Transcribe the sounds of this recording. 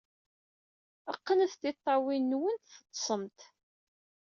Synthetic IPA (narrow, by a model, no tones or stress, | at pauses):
əqːənθt̪it̪ˤːɑwinːwənt̪θə̥t̪ˤːsˤəmt̪